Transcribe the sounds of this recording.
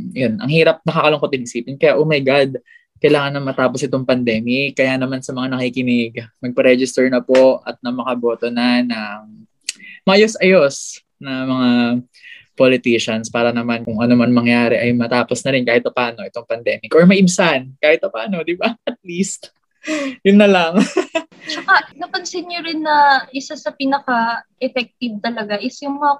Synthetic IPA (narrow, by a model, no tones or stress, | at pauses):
jonʔɐ̰ŋhiːɾɐp̚nɐkakɐloŋkoɪnɪsiːpɪnkɐjaʔomɐjɡad̪̚ | kɐjlaːŋɐnːɐŋmɐt̪aːposɪt̪oŋpɐnd̪ɛːmɪkkɐjanɐmansɐmɐŋanɐkikɪnɪɡmɐɡ̚pɐɾɛd͡ʒɪst̪ɛɹnɐpo̞ɐ̰t̪̚nɐmɐkɐbo̞ːt̪onɐnɐ | mɐʔɐjosʔɐjos | nɐmɐŋa | polɪt̪iʃɐnspaːɾɐnɐmankʊŋʔɐnomɐnmɐŋjaːɾɛʔɐjmɐt̪aːposnɐɾɪnkaːhɪt̪̚pɐpaːno̞ʔɛt̪o̞ŋpɐnd̪ɛːmɪkʔɔɹmɐʔɪmsankaːhɪt̪̚pɐpaːno̞d̪ɪbaʔɐt̪̚list̪ | jʊnːɐlɐŋ | t͡ʃɐkanɐkɐnsɪnjoɾɪnːɐʔɪsasɐpɪnɐkaʔɛfɛk̚t̪ɪv̚t̪ɐlɐɡaʔɪsjʊŋmɐŋa